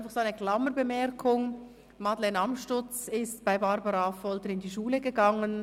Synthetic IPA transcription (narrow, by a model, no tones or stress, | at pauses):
nfɑχsoaɪnəɡlɑməɾbəmɛɾkʰʊŋ | mɑdlɛːnɑmʃtʊt͡sɪstb̥aɪbɑɾbɑɾɑfɔltəɾɪndiʃuːləɡəɡɑŋən